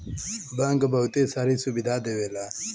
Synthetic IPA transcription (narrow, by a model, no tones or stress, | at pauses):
baŋɡɐbawt̪esaɾisubid̪aːd̪ewela